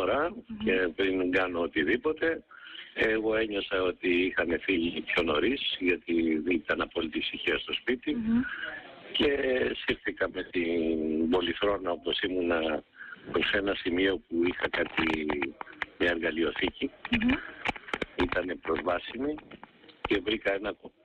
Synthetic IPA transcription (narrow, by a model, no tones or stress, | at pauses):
oɾɐce̞pɾiŋɡɐno̞ot̪iðipo̞t̪e̞eɣo̞e̞ɲo̞sɐo̞t̪iixɐne̞θilipço̞no̞ɾisʝɐt̪iðit̪ɐnɐpo̞lit̪ifsiçiɐst̪o̞spit̪i | ce̞sifθikɐme̞t̪inbo̞liθɾo̞nɐopo̞simunɐpɾose̞nɐsimio̞puixɐkɐt̪i | mɲɐe̞ɾɣɐlio̞θici | it̪ɐne̞pɾo̞zvɐsimice̞vɾikɐe̞nɐ